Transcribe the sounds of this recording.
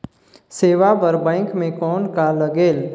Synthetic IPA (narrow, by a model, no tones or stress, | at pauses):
seːʋapəɾbɛ̃ːŋkmẽkɔːnkaləɡeːl